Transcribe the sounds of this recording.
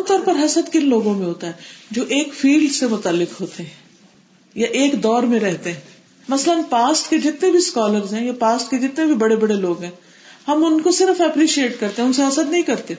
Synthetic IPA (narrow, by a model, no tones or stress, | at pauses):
t̪ɔːɾpɐɾɦɐsəd̪kɪnloːɡõmẽɦoːt̪aɦɛd͡ʒoːʔeːkfiːlɖsemʊt̪alːɪqɦoːt̪eɦɛ̃ː | jaʔeːkd̪ɔːɾmẽɾɛɦt̪eɦɛ̃ː | mɐslənpaːsʈked͡ʒɪt̪nẽbʱiskɔːləɾzɦɛ̃ːjapaːsʈked͡ʒɪt̪nebʱibɐɽebɐɽeloːɡɦɛ̃ː | hɐmʊnkosɪɾəfɛpɾiːʃieːʈkɐɾt̪eɦɛ̃ʊnseɦɐsət̪nɐɦĩkɐɾt̪e